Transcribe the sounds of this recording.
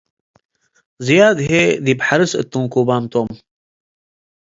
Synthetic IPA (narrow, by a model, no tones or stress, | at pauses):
zijaːd̪ɦed̪ibħaɾɨsə̰t̪ːũŋkubaːmt̪oːm